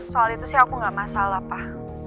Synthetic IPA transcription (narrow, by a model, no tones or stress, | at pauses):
soalit̪usiakuŋɡaʔmasalapah